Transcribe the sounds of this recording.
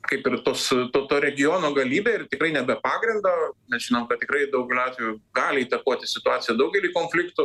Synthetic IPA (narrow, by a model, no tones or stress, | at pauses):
kɐɪpɪrt̪oːst̪oːt̪oːɾʲɛɡʲɪjoːnoːɡɐlʲiːbʲeːɪrt̪ʲɪkɾɐɪnʲɛbʲɛpɑːɡɾʲɪnd̪ɐːnʲɛsʒʲɪnomkɐt̚t̪ʲɪkɾɐɪd̪ɐʊɡʲɛlʲɑːt̪ʋʲjʊɡɑːlʲɪiːt̪ɐkuɔt̪ʲɪsʲɪt̪ʊɑːt͡sʲɪjɛd̪ɐʊɡʲɛlʲiːkoːnʲfʲlʲɪkt̪ʊ